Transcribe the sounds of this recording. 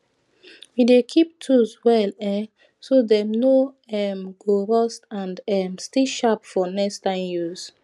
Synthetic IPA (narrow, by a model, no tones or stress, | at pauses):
widekʰip̚tʰuzwɛlɛ̃ | sodɛmno | ɛmɡ̥oɹɔstãndɛmstiʃapfɔnɛkstãɪ̃mjuz